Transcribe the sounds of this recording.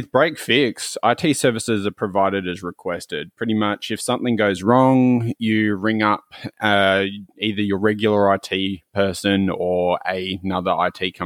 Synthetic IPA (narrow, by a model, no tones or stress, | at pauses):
wɨðbɹeɪkfɪksa̰ɪtʰisɜ˞vɨsɨzə˞pʰɹ̥ɨvaɪɾɨɾɨzɹɨkʰw̥ɛstɪd̚pʰɹ̥ɪɾimʌt͡ʃɨfsʌ̃mθɪ̃ŋɡoʊzɹɔ̃ŋjɨɹɪ̃ŋʌp̚ʌiðə˞jə˞ɹɛɡjl̩ˠə˞aɪtʰipʰɜ˞sɨ̃nə˞ɨnʌðə˞ʔa̰ɪtʰikʰʌ̃